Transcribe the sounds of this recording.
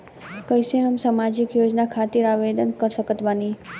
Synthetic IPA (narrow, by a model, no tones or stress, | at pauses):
kəjsẽɦəmsamad͡ʒikjod͡ʒnakʰat̪iɾaʋed̪ənkəɾʃəkət̪bani